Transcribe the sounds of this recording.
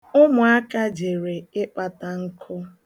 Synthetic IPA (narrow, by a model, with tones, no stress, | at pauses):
ʊ˦mʊ˨a˦ka˦d͡ʒe˨ɾe˨ɪ˦k͡pa˨ta˦ŋ̩˦kʰʊ˦